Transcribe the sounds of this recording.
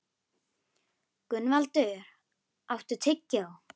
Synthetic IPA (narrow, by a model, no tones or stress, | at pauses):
kʏnːvalt̪ʏɾ | awft̪ʏ̥t̪ʰɪcːaw